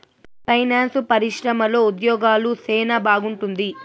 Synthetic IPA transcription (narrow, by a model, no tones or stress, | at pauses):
pʰɐjnaːnspɐɾiʂɾɐmɐlo̞ːud̪jɔːɡaːluseːnɐbaːɡuɳʈund̪i